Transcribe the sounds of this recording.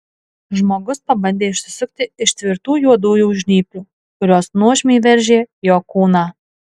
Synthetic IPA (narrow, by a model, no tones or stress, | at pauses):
ʒmoːɡʊspɐbɐnʲd̪ʲeːɪʃʲsʲɪsʲʊkʲt̪ʲɪɪʃt̪ʲʋʲɪɾt̪uːjuɔd̪uːjuːʒʲnʲiːpʲlʲuː | kʊɾʲoːsnuɔʒʲmʲiːʋʲɛɾʲʒʲeːjoːkuːnɑː